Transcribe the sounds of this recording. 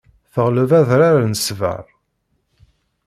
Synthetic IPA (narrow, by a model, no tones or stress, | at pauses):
θəʁləvæðɾaɾanəsvə̰ɾˤ